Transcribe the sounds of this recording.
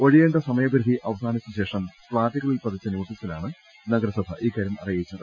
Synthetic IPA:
o̞ɻijeːɳɖɐsɐmɐjɐbɐɾud̪ʱiʔɐʋɐsaːnɐt͡ɕːɐɕe̞ːʂɐmpɭaːʈːiɣɐɭilpɐt̪it͡ɕːɐnoːʈːisilaːɳɨ | nɐɡɐɾɐsɐb̪ʱɐʔiːkːaːɾjumɐ̰rijɐit͡ɕːɐ

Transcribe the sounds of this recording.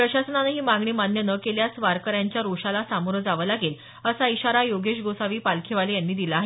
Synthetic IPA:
pɾəɕasənaneɦiːmaɡɳiːmanjənəkeljasʋaɾkəɾjaɲt͡ɕjaɾuʂalasamoɾəd͡zaʋəlaɡeːl | əsaiɕaɾajoɡeɕɡosaʋiːpalkʰeʋalejanːiːd̪ilaːɦe

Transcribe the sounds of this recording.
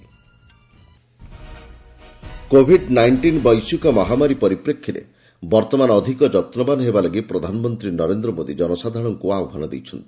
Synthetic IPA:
kobʱiɖnajɳʈinbɔjsukɔmɔɦamaɾipɔɾipɾekʰːiɾḛ | bɔɾt̪ɔmanɔd̪ʱikɔd͡ʒɔt̪nɔbanɦebalɔɡipɾɔd̪ʱanɔmɔnt̪ɾinɔɾend̪ɾɔmod̪id͡ʒɔnɔsad̪ʱaɽ̃ɔŋkuaɔbʱanɔd̪ḛjt͡ʃʰɔnt̪ii̥

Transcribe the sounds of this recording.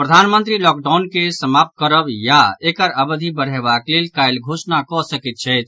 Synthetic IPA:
pɾəd̪ʱanmənt̪ɾilɔk̚ɖaʊnkesəmap̚t̪̚kəɾəbjaekəɾəbəd̪ʱibəɽ̤ebaklelkajlɡʱosnakɔsəkit̪̚t͡ʃʰɛjt̪̚ʰ

